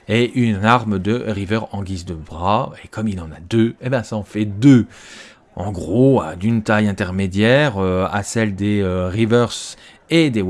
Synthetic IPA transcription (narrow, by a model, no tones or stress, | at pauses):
eʔynaʁmd̪əʁivœʁɑ̃ɡʲizd̪əbʁaekʰɔmilɑ̃nad̪øebɛ̃saɔ̃fɛd̪ø | ɑ̰̃ɡʁoad̪ynt̪ajɛ̃t̪ɛʁmed̪jɛʁøa̰sɛld̪eøʁivœʁs | ed̪ew